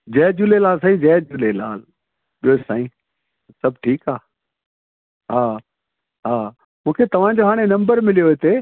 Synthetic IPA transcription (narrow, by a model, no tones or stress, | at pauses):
d͡ʑɛːd͡ʑulelaːls̬ãːĩd͡ʑɛːd͡ʑuːlelaːl | ɓijoɪsaːĩː | sɐb̚ʱʈʰiːkaː | ɦaː | ɦaː | mũːkʰet̪ɐʋ̤ãd͡ʑoɦaːɽ̃enɐ̃mbəɾmɪlijoɦɪt̪e